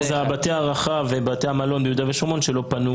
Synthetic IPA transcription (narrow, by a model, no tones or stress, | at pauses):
zeabateaʁaχavebateamalo̞nbejud̪aveʃoʁmonʃelo̞panu